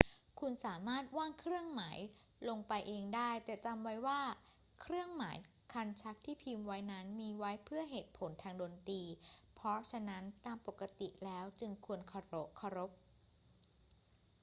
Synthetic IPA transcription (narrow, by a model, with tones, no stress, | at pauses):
kʰu˧nsaː˩˦maː˥˩t̪̚waː˥˩ŋkʰɾɯ˥˩əŋmaː˩˦j | lo˧ŋpa˧jʔeː˧ŋdaː˥˩jt̪ɛː˨˩t͡ɕa˧mwa˦˥jwaː˥˩ | kʰɾɯ˥˩əŋmaː˩˦j | kʰa˧nt͡ɕʰa˦˥k̚t̪ʰiː˥˩pʰiː˧mwa˦˥jna˦˥nmiː˧wa˦˥jpʰɯ˥˩ɐɦeː˨˩t̪̚pʰo˩˦nt̪ʰaː˧ŋdoː˧nt̪iː˧pʰɾɔ˦˥t͡ɕʰa˧na˦˥nt̪aː˧mpo˨˩kːa˧t̪i˨˩lɛː˦˥wt͡ɕɯ˧ŋkʰu˧ənkʰa˧ɾo˦˥p̚kʰːa˧ɾo˦˥p̚